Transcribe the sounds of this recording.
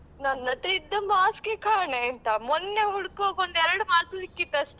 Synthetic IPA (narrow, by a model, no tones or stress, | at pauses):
nɐnɐt̪id̪ːɐmaːskekʰaːɳeːnt̪ɐmɔnːeuɽkoɡond̪ɛɾɐɽumaːslikːit̪ːɐst̪e